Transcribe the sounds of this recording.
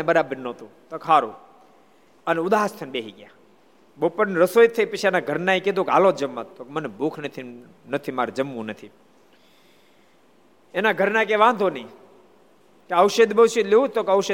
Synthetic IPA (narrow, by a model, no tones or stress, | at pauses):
ebəɾabəɾnõt̪ũt̪okʰaɾũ | əneʊd̪aɦəst̪ʰənbeɦiɡja | bopənɾəsojt̪ʰːəipət͡ʃʰienaɡʱəɾnaiked̪ʱoka̰lõd͡ʒəmːat̪ːokemənebʱuːkʰnət̪ʰi | nət̪ʰimaːɾd͡ʒəmːũnət̪ʰi | enaɡʱəɾnak̬eʋãnd̪ʱonəĩ | keəwʃəd̪bəwsileũt̪okəʋʃə